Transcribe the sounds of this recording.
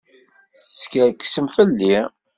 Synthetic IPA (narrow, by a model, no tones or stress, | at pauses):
θskæɾkːə̥səmfəlːi